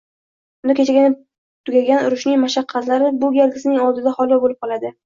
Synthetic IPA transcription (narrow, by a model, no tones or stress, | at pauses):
bʊnd̪akʲet͡ʃʰaɡʲɪnɪ | t̪ʰʊɡʲaɡʲanʊɾʊʃnɪŋmaʃaqʰːɑt̪laɾɪbʊɡʲalɡʲɪsɪnɪŋɒlˠd̪ɪd̪ahɒlˠdɒbolɪp̚qʰɒlˠad̪ɪ